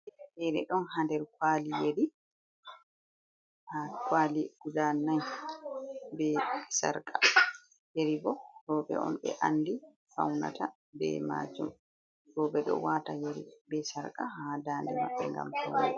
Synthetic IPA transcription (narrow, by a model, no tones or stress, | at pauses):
ʔɛɗɛ̰ɗɔnhandɛɾkwaːlijeɾi | hakwaːliɡudanːaj | bɛsaɾkʼa | jeɾibɔɾɔːbɛ̰ɔ̰nɓɛ̰ʔandi | fa̰wna̰ta | bɛ̰ma̰ːd͡ʒum | ɾɔbɛɗɔ̰waːtajeɾḭbɛsaɾkahadaːndɛnɔ̰bɛŋɡa̰mtɔ̰nɛ